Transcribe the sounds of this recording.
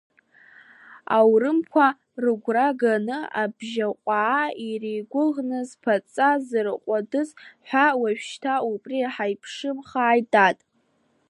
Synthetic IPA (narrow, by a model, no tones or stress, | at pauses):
a̰wrɨmkʷʰa | rɨɡʷraɡanɨabʒaqʷʼaːirejɡʷʊʁnɨzpʰat͡sʼazrɨqʷʼadɨzħʷawaʃᶣʃtʰaupʼriħajpʰʂɨmχaːjdʼatʼ